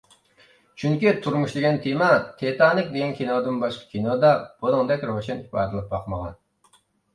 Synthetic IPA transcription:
t͡ʃʰyŋkʲit̪ʰuɾmuʃd̪ɪɡʲɛnt̪ʰemɑt̪ʰet̪ʰɑːnɨk̚ʲd̪eɡʲɛnkʲʰinod̪ɨnbɑʃqɑ̥kʲʰinod̪ɑb̥olˠɨŋd̪ɛkʲɾowʃɛnhibɑ̰ːd̪ɨlˠɨp̚bɑqməʁɑ̰n

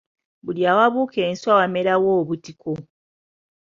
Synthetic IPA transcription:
buljaːwaβuːkʰe̞ːnswawameɾawoːβutikʰo

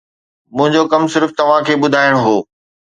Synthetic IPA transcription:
mʊ̃ɦɪ̃ɲd͡ʑokɐmsɪɾft̪ɐʋ̤ãkʰeːɓʊd̪ʱaːɪɽ̃ɦoː

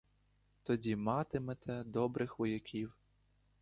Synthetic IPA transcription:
t̪ɔdʲimɑt̪ɪmɛt̪ʰɛd̪ɔbɾɪxʋɔjɐkʲiw

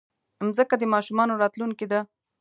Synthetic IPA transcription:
mzəkad̪əmɑʃumɑnoɾɑt̪luŋked̪a

